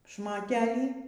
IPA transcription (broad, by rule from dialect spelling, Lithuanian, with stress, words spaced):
ʃmoːˈtʲæːlʲiː